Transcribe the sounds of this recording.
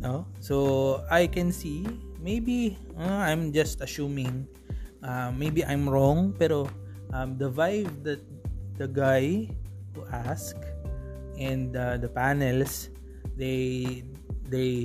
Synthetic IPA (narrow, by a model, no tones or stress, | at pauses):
nosoajkɛ̃nsimejbi | aãjmd͡ʒɐst̪ɐsumɪ̃ŋ | ʔammːejbiʔãjmɹɔ̃ŋpɛɾo | ʔɐ̃md̪ɐvajvd̪ɐt̚d̪̥ɐɡajt̪uʔask | ʔɛ̃nd̪ɐd̪ɐpanɛls | d̪ej | d̪ej